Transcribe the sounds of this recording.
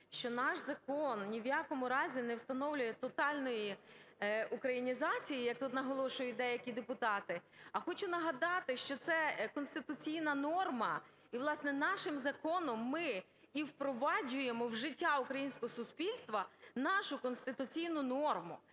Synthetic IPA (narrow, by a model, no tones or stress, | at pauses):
ʃt͡ʃɔnɑʃzɐkɔnnʲiʋjakɔmʊɾɑzʲinɛwst̪ɐnɔwlʲʊjɛt̪ɔt̪ɑlʲnɔji | ukɾɐjinʲizɑt͡sʲijijɐk̚t̪ut̪nɐɦɔlˠɔʃʊjʊt̚ʲd̪ɛjɐkʲid̪epʊt̪ɑt̪ɪɐxɔt͡ʃʊnɐɦɐd̪ɑt̪ɪʃt͡ʃɔt̪sɛkɔnst̪ɪt̪ʊt͡sʲijnɐnɔrmɐ | iʋlˠɑsnɛnɑʃɪmzɐkɔnɔmːɪ | iwpɾɔʋɑd͡ʒʊjemɔwʒɪtʲːaʊkɾɐjinʲsʲkɔɦɔsʊspʲilʲst̪ʋɐnɑʃʊkɔnst̪ɪt̪ʊt͡sʲijnʊnɔrmʊ̰